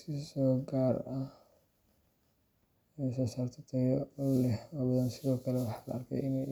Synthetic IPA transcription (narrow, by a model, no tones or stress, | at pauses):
sɪsɔːɡaːrɐ | sɐsaːrt̪ʰɔt̪ʰɐjɔʊlɛhɔːbɐðɐnsɪðɔːkʰɐlɛwɑħɑːlɐ̰ɐrkʰɛ̰jɪnɛj